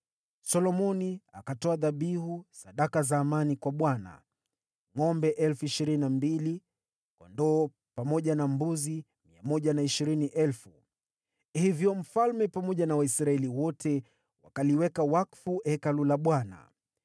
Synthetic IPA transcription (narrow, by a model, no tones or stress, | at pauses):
sɔlɔmɔniakatɔaðaɓiɦusaɗakazaːmanikwaɓwana̰ | ŋɔmbɛʔɛlfuiʃiɾinnnambili | kwɔ̰ndɔː | pamɔʄanambuzi | miamɔʄanaiʃiɾiniʔɛlfu | hivjɔm̩falmɛpamɔʄanawaisɾaɛliwɔtʰɛ | wakaliwɛkawakfuʔɛkalulaɓwana̰